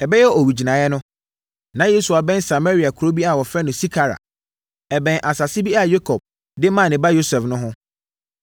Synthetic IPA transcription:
ɛ˨bɛ˦jɛ˦ɔ˨wi˨d͡ʑi˨nã˨jɛ˦nʊ̃˦ | nã˨˦je˦su˨a˨bɛ̃˦nsa˨ma˦ɾi˨˦a˨kʰʊ˨ɾo˦bi˦a˦˨wɔ˨fɾɛ˦nʊ̃˨si˦kʰa˨ɾa̰˨ | ɛ˨bɛ̃˨nʔa˨sa˨sɪ˦bi˦a˦˨je˦kʰɔ˨b̚ | dɪ˦mã˦˨nɪ̃˨ba˦jo˦sɛ˨fnʊ̃˦ɦʊ̃˦

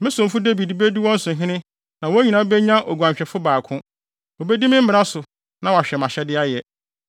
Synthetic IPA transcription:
mɪ̃˦sʊ̃˨m˨fʊ˦de˦vi˨dbe˦di˦wɔ̃˦n̩˦sʊ̃˨ɦɪ̃˦nɪ̃˦ | nã˨wo˦æ˦ɲĩ˨nã˦bɛ˦ɲã˦ʔo˨ɡʷu˨ã˨mɕᶣɛ˨fʊ˦baː˨kʰʊ̃˦ | wo˨be˦di˦mɪ̃˦m̩˦mɪ̃˨ɾa˦sʊ˨ | nã˨wa˨ɕᶣɛ˨mã˨ɕɛ˦dɪ˦a˦jɛ˨

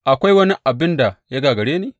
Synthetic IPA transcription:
ʔa˨kʷa˦jwɐ˦ni˦ʔa˨bɪ˦nda˨ja˦ɡaː˨ɡɐ˨ɽeː˦neː˦

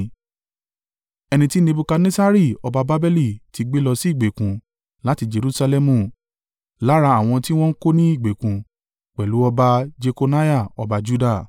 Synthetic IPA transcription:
ɛ˧nĩ˧ti˦nẽ˧bu˧ka˧nẽ˦sa˦ɾi˦˨ɔ˧ba˧ba˦bɛ˦li˦˨ti˨˧ɡ͡be˦lɔ˧si˦i˦˨ɡ͡be˨kũ˨˦ | la˨˦ti˧d͡ʒe˨˧ɾu˨˦sa˧lɛ˧mũ˦˨ | la˨˦ɾa˧a˦˨w̃ɔ̃˧ti˦w̃ɔ̃˦n̩˦ko˦nĩ˦i˦˨ɡ͡be˨kũ˨ | k͡pɛ˨lu˨˦ɔ˧ba˧d͡ʒe˧ko˧na˦ja˦˨ɔ˧ba˧d͡ʒu˦da˦˨

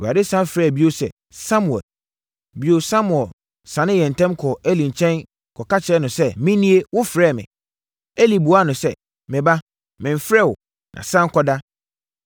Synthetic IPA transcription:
a˨dɪ˦sã˦nfɾɛ˦˨bi˦o˦sɛ̰˨ | sa˦mu˨ɛ̰˨l | bi˦o˦sa˦mu˨ɛ˨l | sã˨nɪ̃˦jɛ̃˨n˨tʰɛ̃˦mkʰɔ˨æ˦lĩ˨ɲ˨t͡ɕʰɛ̃˦n | kʰɔ˨ka˦t͡ɕʰɪ˨ɛ˦nʊ̃˨sɛ˦mɪ̃˦nĩ˦e˦wʊ˦fɾɛː˦˨mɪ̰̃˨ | ɛ˦li˨bu˨˦a˦nʊ̃˨sɛ˦˨ | mɪ̃˨ba˦ | mɪ̃˨m˨fɾɛ˦˨wɔ˨ | nʔã̰˨sã˦ŋ˦kʰɔ˦da˦

